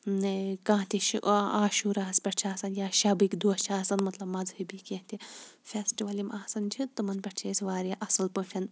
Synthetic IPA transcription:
nkãːt̪iʃʔaːʃuːɾaːɐspʲɐʈt͡ʃʰaːsɐnjaːʃɐbikd̪uɐt͡ʃʰaːsɐnmɐt̪lɐbmɐd͡zhɨbikʲẽɦt̪ʲifʲesʈiʋɐlimʔaːsɐnd͡ʒʰit̪ɨmɐnpʲɐʈt͡ʃʰeːsʲʋaːɾjɐʔɐsɐlpufʲʰɐn

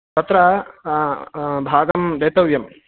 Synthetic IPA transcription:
t̪ɐt̪ɾɐ | bʱaːɡɐmd̪eːt̪ɐʋjɐm

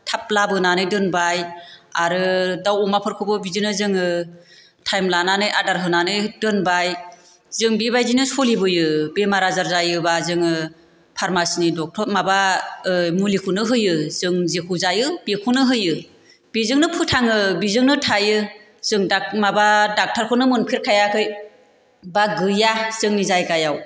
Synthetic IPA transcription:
tʰap̚labɯnanɯjdɯnbajaɾɯdawumapʰɯɾkʰɯbɯbizinɯzɯŋɯ | tʰajmlananɯjʔadaɾɦɯnanɯjdɯnbaj | zɯŋbibajzinɯsɔlibɯjɯbemaɾazaɾzajɯbazɯŋɯ | pʰaɾmasnidɔk̚tʰɔt̚maba | mulikʰɯnɯɦɯjɯzɯŋzekʰuzajɯb̥ekʰunɯɦɯjɯ | b̥izɯŋnɯpʰɯtʰaŋɯbizɯŋnɯtʰajɯ | z̥ɯŋdamabadak̚tʰaɾkʰɯnɯmɯnpʰiɾkʰajakʰɯj | baɡɯjaz̥ɯŋnizajɡajaw

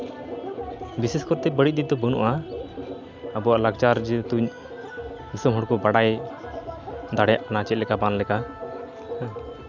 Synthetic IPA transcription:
bisɛskɔɾt̪ɛbəɽic̚d̪it̪̚d̪ɔbɔnṵʔa | əbɔaʔlaɡt͡ʃaɾd͡ʒt̪uɲ | b̪isɔmɦɔɽkɔbaɽaj | d̪aɽɛja̰ʔkanat͡ʃɛt̪̚lɛkabanlɛka

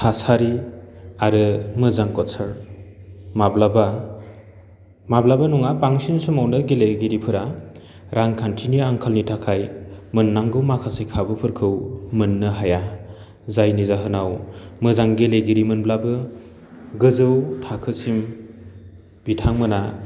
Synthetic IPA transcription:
pʰasaɾiaɾɯmɯzaŋkɔtsʰaɾ | mablaba | mablabanuŋapaŋsinsumawnɯɡeleɡiɾipʰɯɾa | ɾaŋkʰantʰiniaŋkʰalnitʰakʰajmɯnːaŋɡɯwmakʰasajkʰabɯpʰɯɾkʰɯwmɯnːɯɦaja | zajnizaɦɯnawmɯzaŋɡeleɡiɾimɯnblabɯ | ɡɯzɯwtʰakʰɯsim | b̥itʰaŋmɯna

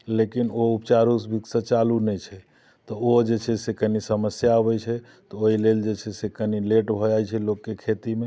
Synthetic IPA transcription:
lekinoupt͡ʃaɾusbʱiksə̃t͡ʃalunɛt͡ʃʰɛ | t̪ɔod͡ʒet͡ʃʰɛsekənisəməsjaəbɛt͡ʃʰɛ | t̪ɔoɦileld͡ʒet͡ʃʰɛsekənileʈbʱɔd͡ʒajt͡ʃʰɛlokːekʰet̪ime

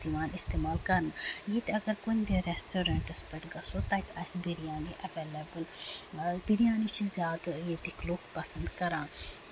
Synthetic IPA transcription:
t̪imaːnɪst̪eːmaːlkɐɾnajit̪ɐɡəɾkoĩnd̪eɾesʈoːɾẽɳʈəspɐʈɡɐsoːt̪aːjt̪ɐsbiɾijãːniʔɐʋeːlebəl | biɾijaːnit͡ʃʰizjaːd̪jeʈikloːkpɐsə̃nd̪kɐɾãːn

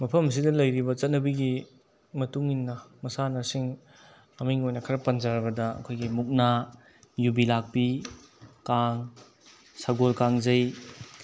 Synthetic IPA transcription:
mɐpʰɐms̬idɐlɐjɾibɐt͡ʃɐt̚nɐbiɡi | mɐtuŋinːɐmɐsanɐsiŋ | ɐmiŋojnɐkʰɐɾɐpɐnzaɾɐbɐdɐɐ̰kʰojɡimuk̚na | jubilak̚pi | kaŋ | saɡolkaŋzɐj

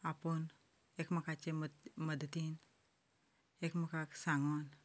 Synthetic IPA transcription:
apən | ekmɐkat͡ʃemməd̪ʱət̪in | ekməkʰaksaŋɡon

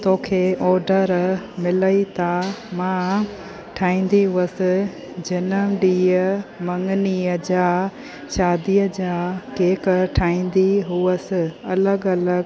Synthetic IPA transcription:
t̪oːkʰeːʔɔːɾɖəɾmɪləit̪amã | ʈʰaːĩːn̆d̪iɦʊəsɪ̆ | d͡ʑɐnəmɖiːəmɐ̃ŋɡniəd͡ʑaː | ʃaːd̪ijəd͡ʑaːkeːkʈʰaːĩːn̆d̪iɦuəsɪ̆ɐləɡɐləɡ

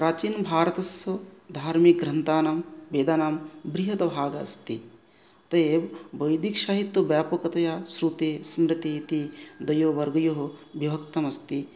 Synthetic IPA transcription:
pɾaːt͡ʃiːnbʱaːɾɐt̪ɐsɐd̪ʱaːɾmik̚ɡɾɐnt̪aːnaːmbeːd̪aːnaːmbɾiɦɐt̪ɐbʱaːɡa̰ːst̪i | t̪ɐeːbbɐjd̪ikʃaːɦit̪ːubjaːpɐkɐt̪ɐjaːsɾut̪eːsmɾit̪it̪id̪ɐjoːʋɐɾɡɐjoɦoʋibʱɐkt̪ɐmɐst̪i

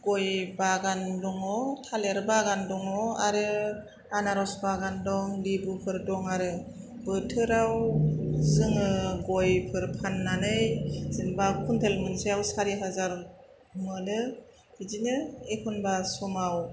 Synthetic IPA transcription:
ɡ̥ɔjbaɡandɔŋɔtʰaleɾɯbaɡandɔŋɔa̰ɾɯ | anaɾɔsbaɡandɔŋlibupʰɯɾdɔŋaɾɯ | bɯtʰɯɾawzɯŋɯɡɔjpʰɯɾpʰanːanɯjzɯnbakʰuntʰelmɯnsiawsaɾiɦazaɾ | mɯnɯ | izinɯekʰunbasumaw

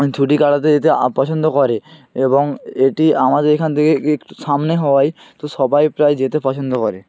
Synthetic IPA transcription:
t͡ɕʰuʈikaɖat̪̬ed͡ʑet̪̬epɔt͡ɕʰond̪okɔɾeeboŋeʈiamad̪eɾekʰant̪ʰekeekʈu̥ʃamneɦɔwaj | t̪oʃɔbajpɾajd͡ʑet̪epɔt͡ɕʰond̪okɔɾe

